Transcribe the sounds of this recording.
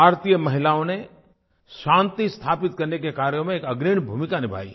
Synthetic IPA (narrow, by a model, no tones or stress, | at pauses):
aːɾt̪ijəmɐɦɪlaːõne | ʃãːnt̪ist̪ʰaːpɪt̪̚kɐɾnekekaːɾjõmẽeːkɐɡɾiːɳbʱuːmɪkanɪbʱa̰ːḭː